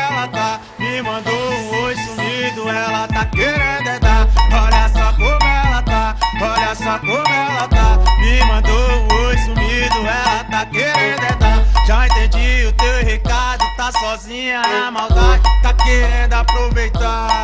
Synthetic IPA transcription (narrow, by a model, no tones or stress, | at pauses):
ɛlɐt̪a | mɪmɐ̃d̪oũojsumid̪ʊɛlɐt̪akeɾẽd̪ɛt̪aɔɾɐsɔkõmʊɛlɐt̪aɔɾɐsɔkõmʊɛlɐt̪amɪmɐ̃d̪oũojsumid̪ʊɛlɐt̪akeɾẽd̪ʊẽd̪aʒaẽt̪ẽd͡ʒiʊt̪ewhekad̪ʊt̪asɔzĩɲɐmawd̪ad͡ʒt̪akeɾẽd̪ʊapɾovejt̪a